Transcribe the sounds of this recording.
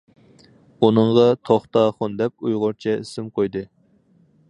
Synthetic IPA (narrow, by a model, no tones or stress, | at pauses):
unɨɴʁɑt̪ʰoχt̪ɑχʊnd̪ɛp̚ujʁʊɾt͡ʃʰɛḭsɪmqʰojd̪ɨ